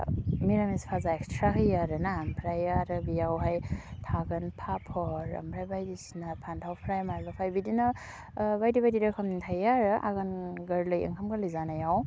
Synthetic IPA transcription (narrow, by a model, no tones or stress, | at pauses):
miɾamispʰazaɛkstʰɾakʰɯjaɾɯnaːmpʰɾajaɾɯbijawɦajtʰaɡɯnpʰapʰɔɾa̰mpʰɾajbajdisinapʰantʰawpʰɾajmaɾbapʰajbidina | bajdibajdidakʰɔmnintʰajaɾɯʔa̰ɡɯnɡəɾlɯjḛŋkʰamkʰalizanajaw